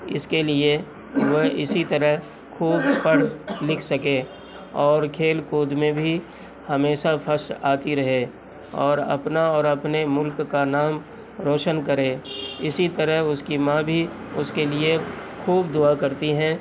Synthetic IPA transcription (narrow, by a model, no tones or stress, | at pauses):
ɪ̰skelie | ʋəɦɪsit̪ɐɾəɦ | kʰuːbpɐɽlɪkʰsɐke | ɔːɾkʰeːlkoːd̪mẽbʱi | hɐmeːʃapʰəɾʃaːt̪iɾɐɦe | ɔːɾɐ̰pnaɔːɾɐpnemʊlkːanaːm | ɾoːʃənkɐɾẽːɪsit̪əɾəɦʊskimãːbʱi | ʊskelie | kʰuːbd̪ʊakɐɾt̪iɦɛ̃ː